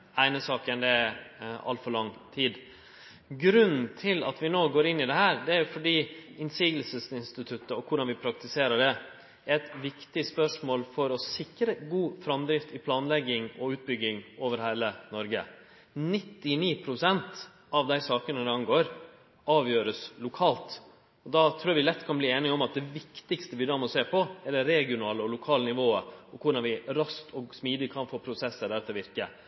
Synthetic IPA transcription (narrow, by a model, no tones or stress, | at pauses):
æɪnəsɑːkənd̪ɛ | ɑ̰lt̪fɔɭɑŋt̪ʰiːd̪ | ɡɾʉnn̩t̪ʰɪlɑt̪ʋɪnoːɡoːɾɪnːɪd̪ɛɦæːɾd̪ɛæɾjʊfɔɖiːɪnsiːɡlsəsɪnst̪ɪt̪ʰʉt̪ːəɔkʰʊɖɑnʋɪpʰɾɑk̚t̪ɪseːɾəɖɛ | ɛt̪ʋɪkt̪ɪspœʂmoːlfɔɾɔsɪkɾəɡuːfɾɑmd̪ɾɪft̪ɪpʰlɑːnlɛɡːɪŋɔʉːt̪̚bʏɡːɪŋoːʋəɾhæɪlənɔɾɡə | nɪt̪ːɪniːpʰɾʊsɛnt̪ | ɑʋd̪æɪsɑːkənəd̪ɛɑŋɡoːɾ | ɑːʋjøːɾəslʊkʰɑːlt̪ | ɔd̪ɑt̪ʰɾʉːɾʋɪlɛt̪ːkʰɑnbliːeːnɪɔmɑt̪̚d̪ɛʋɪkt̪ɪkst̪əʋɪd̪ɑːmɔseːpʰɔɛləɾɛɡɪʊnɑːləɔlʊkʰɑːlnɪʋoːəɔkʰʊɖɑnʋɪɾɑst̪ʰɔsmiːd̪ɪkʰɑnfoːpʰɾʊsɛsːəd̪æɾt̪ːəʋɪɾkə